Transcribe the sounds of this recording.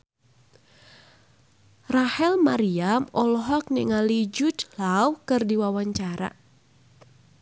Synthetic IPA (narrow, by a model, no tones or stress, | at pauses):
rahɛlmaɾiamɔlɔɦɔk̚niŋalid͡ʒut̪lawkɨrdiwawaɲt͡ʃaɾa̰